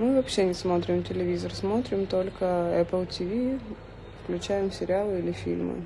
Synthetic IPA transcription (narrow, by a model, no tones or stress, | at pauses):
mɨvɐpɕːenʲɪsmo̞t̪ɾʲɪmtʲɪlʲɪvʲizərsmo̞t̪ɾʲɪmt̪o̞lʲkəɛpəlˠtʲɪvʲi | fklʲʉt͡ɕæjɪmsʲɪɾʲɪalˠɨilʲɪfʲḭlʲmɨ̰